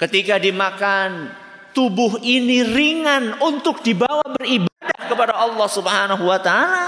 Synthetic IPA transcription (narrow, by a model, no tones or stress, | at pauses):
kət̪ikadimakan | t̪ubʊɦiniriŋanunt̪ʊk̚dibawabəribadahkəpadaɑlːɑhsubəɦanaɦuwat̪aala